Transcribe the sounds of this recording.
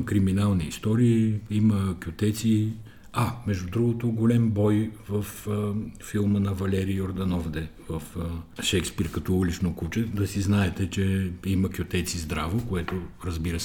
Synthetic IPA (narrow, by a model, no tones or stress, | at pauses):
kɾiminalˠniːst̪ɔɾiːiməkʲjʊt̪ɛt̪si | amɛʒd̪ʊd̪ɾuɡot̪oɡolʲɛmbɔjvəfː | ilˠmənɐvɐlɛɾioɾd̪ɐnɔvd̪ɛvəfʃɛkspiɾkɐt̪ɔulit͡ʃnokut͡ʃɛd̪ɐsiznaɛt̪ɛt͡ʃɛiməkʲʊt̪ɛt̪sizd̪ɾavokoɛt̪oɾɐzbiɾəsɛ